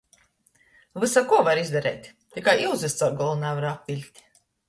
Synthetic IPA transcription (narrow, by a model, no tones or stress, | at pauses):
vɨsakuɔvaɾizd̪aɾɛjt̪ʲ | t̪ʲikajiwzɛst̪sawɡɔlˠunævaɾapvʲilʲt̪ʲ